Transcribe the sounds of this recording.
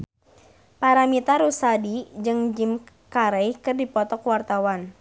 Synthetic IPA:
paɾamit̪aɾusadid͡ʒɨŋd͡ʒim | kaɾɛjkɨrdipɔt̪ɔkwart̪awan

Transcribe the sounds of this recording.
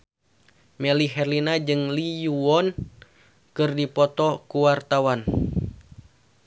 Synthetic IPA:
mɛliɦɛrlinad͡ʒɨŋlijuɔn | kɨrdipɔt̪ɔkuwart̪awan

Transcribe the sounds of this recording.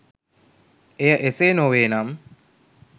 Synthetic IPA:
ejəʔeseːnoʋeːnam

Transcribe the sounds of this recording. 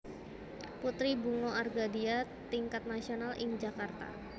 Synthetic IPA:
put̪ɾibuŋoarɡadia | t̪iŋkat̪̚nasionalʔɪŋd͡ʒakart̪a̰

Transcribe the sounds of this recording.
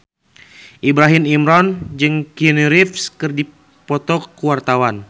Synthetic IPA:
ʔibɾaɦimimɾɔnd͡ʒɨŋkiniɾifskɨrdi | pɔt̪ɔkːuwart̪awan

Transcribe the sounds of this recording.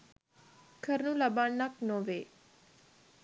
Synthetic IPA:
kʰəɾnũlɐbaːɳːaknoʋeː

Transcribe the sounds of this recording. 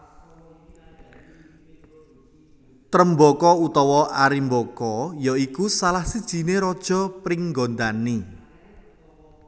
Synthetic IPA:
t̪ɾəmbɔkɔut̪ɔwɔʔaɾimbokɔjɔikusalahsid̥ʒ̥i̤neɾɔd̥ʒ̥ɔ̤pɾiŋɡɔnd̪ani

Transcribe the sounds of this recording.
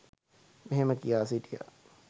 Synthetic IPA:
meɦeməkijaːsiʈija̰

